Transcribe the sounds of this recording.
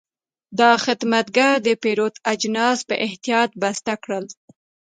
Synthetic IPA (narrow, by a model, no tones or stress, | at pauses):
d̪ɑxɪd̪mat̪̚ɡaɾd̪əpeɾot̪ad͡ʒnɑspəʔɪht̪ijɑt̪̚bast̪akɽəl